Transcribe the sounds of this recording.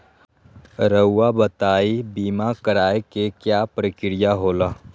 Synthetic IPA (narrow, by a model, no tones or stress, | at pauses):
ɾəʊːabət̪aːibiːmakəɾaːekekjaːpɾəkɪɾɪjaɦoːlaː